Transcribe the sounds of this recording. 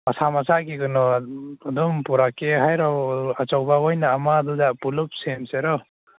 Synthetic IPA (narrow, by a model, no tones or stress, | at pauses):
masamasaʔkiɡɯnɔad̪umpuɾakeɦajɾɔat͡ʃɔwbaɔjnaːmad̪uzapulup̚semseɾɔ